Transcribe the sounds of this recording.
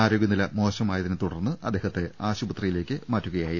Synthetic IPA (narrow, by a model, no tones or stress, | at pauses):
aːɾo̞ːɡjɐnilɐmo̞ːɕɐmaːjɐðinet̪uɽɐrnːɨʔɐd̪ːe̞ːɦɐt̪ːe̞aːɕubɐt̪rijile̞ːkʲːɨmaːtːuɣɐjaːji